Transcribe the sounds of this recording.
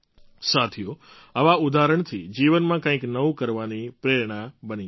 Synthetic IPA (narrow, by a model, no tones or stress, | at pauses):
sat̪ʰijo | əʋaʊd̪aɾəɳ̃t̪ʰid͡ʒiʋənmãkãːĩknəʋũkəɾʋanipɾeɾɽ̃ãbənĩ